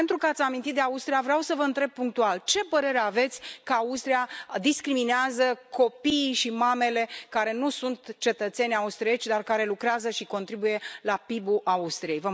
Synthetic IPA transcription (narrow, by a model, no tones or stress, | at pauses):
ent̪ɾukəat̪sʲamint̪it̪̚d̪eaust̪ɾijavɾeawsəvəɨnt̪ɾe̞b̚puŋk̚t̪ualt͡ʃe̞pəɾe̞ɾeave̞t̪sʲkəaust̪ɾijad̪iskɾimineazəko̞piːʃimame̞le̞kaɾe̞nusunt̪t͡ʃe̞t̪ət̪se̞nʲaust̪ɾiet͡ʃʲd̪arkaɾe̞lukɾeazəʃiko̞nt̪ɾibuje̞lapibuʔaust̪ɾije̞jvə